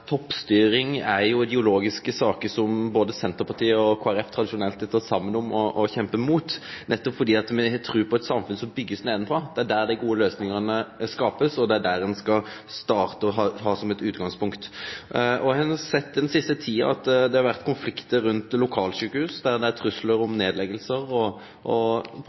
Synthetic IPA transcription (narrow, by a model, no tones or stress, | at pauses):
t̪ʰɔpːst̪yːɾɪŋæɾjʊɪd̪ɪʊloːɡɪskəsɑːkəsɔmboːd̪əsɛnt̪əɾpɑt̪iːəɔkʰoːæɾɛft̪ʰɾɑd̪ɪʂʊnɛlt̪ɛt̪ːəsɑmːənɔmɔʔɔçɛmpəmuːt̪nʔɛt̪ːɔpfɔɾd̪iːɑt̪mɛt̪ʰɾʉːpʰɔɛt̪sɑmfʉnsɔmbʏɡːəsneːd̪ənəpʰɔd̪̥ɛæɖæɾd̪ɪɡuːəløːsnɪŋənəskɑːpəsɔd̪ɛæɖæɾɛnskɑst̪ɑːʁt̪əɔɦɑhɑːsɔmɛt̪ʉːt̪ɡɑŋspʊŋkt̪ | ɔhɑnɑsɛt̪ːɪd̪ɛnsɪst̪ət̪ʰiːɑ̰ɑt̪d̪ɛhɑɾʋæʁt̪kʰʊnflɪkt̪əɾʉnt̪lʊkʰɑːlsyːkəhʉːsd̪æɾd̪ɛæt̪ʰɾʉsləɾʊmneːd̪lɛɡəlsəɾɔ | ɔ